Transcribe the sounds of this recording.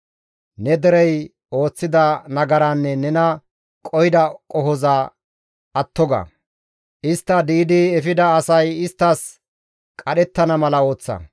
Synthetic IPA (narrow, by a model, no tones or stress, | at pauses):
nɛd̪ɛɾɛj | o̞ːt͡sːɪd̪ɐnɐɡɐɾɐnːɛnɛnɐ | kʼɔjd̪ɐkʼɔɦɔzɐ | ɐt̪ːɔɡɐ̰ | ʔɪst̪ːɐd̪iːd̪ɪɛfɪd̪ɐːsɐjɪst̪ːɐs | kʼɐɗɛt̪ːɐnɐmɐlɐo̞ːt͡sːɐ̰